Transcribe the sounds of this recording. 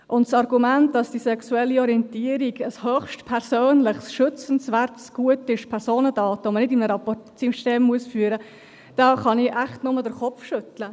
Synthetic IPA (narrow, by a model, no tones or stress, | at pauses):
ʔʊntsɑrɡumænt̚d̥ɑsd̥isɛksuɛlːiɔɾiɛntiəɾiɡəshøχʃtpʰɛɾsøːnlɪχsʃʏt͡sn̩svæɾtsɡ̥uətɪʃpʰɛɾsoːnədɑːtəomənɪdimnəɾɑpɔtsiʃteːmːuəsfyːɾə | d̥ɑːχɑnɪʔæχtnʊmədəɾχɔfʃʏtlə